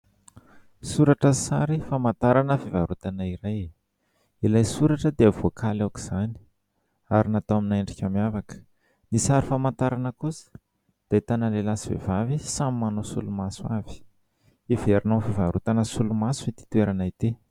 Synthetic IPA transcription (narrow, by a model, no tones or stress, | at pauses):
suɾaʈ͡ʂəsaɾifamant̪aɾanəfivaɾut̪anaiɾaj | ilajsuɾaʈ͡ʂəd̪eavokʰalawki̥z̥ani̥ | aɾinat̪oaminaeɳɖ͡ʐikʲamiavakə̥ | nisaɾifamant̪aɾanəkusə̥ | d̪̥ait̪analelasivḛvavisamimanosulumaswavi̥ | iveɾinafivaɾut̪anəsulumasuit̪i̥t̪weɾanait̪e